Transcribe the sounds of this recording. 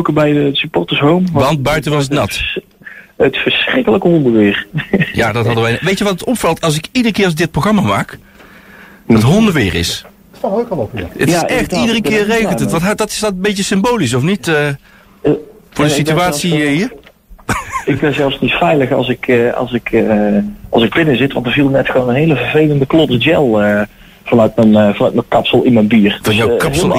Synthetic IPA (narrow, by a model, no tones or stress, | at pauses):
owkəbɛjəsypɔrtəsɦowmʋɑnt̚bœɥtənʋɑs̬ətnɑt | ətfəɹsrɪkələkəɦɔndəʋɪːɹja̰ːdɑtɦɑdəʋɛjʋejtəʋɑtətɔpfɑlˠtɑlˠs̬ɪkidərəkɪːrɑzdɪt̚proχrɑmama̰ːk | dɑtɦɔndəʋɪːrɪ̰s | okɔpə̰tɪsɛxtidərəkɪːejəntəntʋɑntɦdɑtɪ̥sdɑtəmbejcəsɪmbowlis̬ɔfnitə | fʊːɹdəsityaːsiɦi | ɪkbɛzɛlˠfsnitfɛjləxɑ̰lˠsɪkɑ̰lˠsɪkʰ | ɑlˠsɪɡ̚bɪnəzɪtʋɑntəɹvilˠnɛtxəʋownənɦejləvəɹvejləndəklɔdəd͡ʒɛlˠə | v̥ɑnœɥtmənvɑnœɥtməkɑpsəlˠɪnmɛnbiːrdjɔwkɑplˠ